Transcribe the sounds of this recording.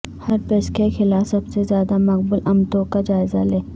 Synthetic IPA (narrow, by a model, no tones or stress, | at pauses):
hɐɾpeːskexɪlaːfsɐbsezjaːd̪amɐqbʊlʔɐmt̪oːkad͡ʒaːɪzaleː